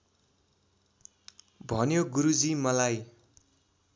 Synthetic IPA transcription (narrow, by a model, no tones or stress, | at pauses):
bʱʌnjoɡuɾud͡zimʌlaj